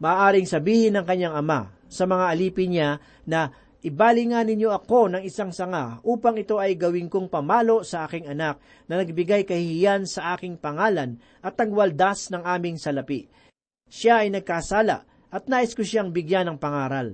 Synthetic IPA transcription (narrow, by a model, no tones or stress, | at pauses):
mɐʔːʔaːɾɪŋsɐbiːhɪnɐŋkɐɲːaŋɐma̰ | sɐmɐŋaʔɐliːpɪnɲa | nɐ | ʔɪbaːlɪŋanɪɲo̞ʔɐko̞nɐŋɪsaŋsɐŋaʔuːpɐŋɪt̪o̞ʔɐjɡɐwɪŋko̞ŋpɐmaːlo̞ʔsɐʔaːkɪŋɐnak̚ | nɐnɐɡ̚bɪɡajkɐhɪhɪjansɐʔaːkɪŋpɐŋaːlɐn | ʔɐt̪̚nɐɡwɐld̪asnɐŋʔaːmɪŋsɐlɐpiʔ | ʃaɐjnɐɡ̚kasaːlɐ̰ʔ | ʔɐt̪̚naːʔɪskoʃaŋbɪɡjanɐŋpɐŋaːɾɐl